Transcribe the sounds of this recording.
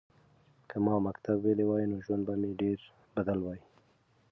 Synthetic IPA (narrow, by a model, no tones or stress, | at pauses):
kʰamɑmakt̪abwelewɑjnoʒwand̪̚bameɖeɾ | bad̪əlwɑji